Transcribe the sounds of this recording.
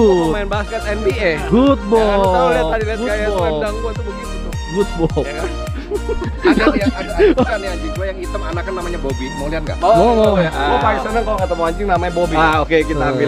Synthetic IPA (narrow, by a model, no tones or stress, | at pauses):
manbaskət̪ɛnbieɡut̪̚bɔaliaadiliat̪ajaadaŋɡuat̪ubəɡit̪ut̪u | ɡut̪̚bɔa | jaaakaniaɲd͡ʒɪŋduajaŋit̪əmanakannamaɲabobimoŋliat̪̚ɡa̰ʔomɔɔauapaisanakalokət̪əmuaɲd͡ʒɪŋnamaɲabobiaokekit̪aami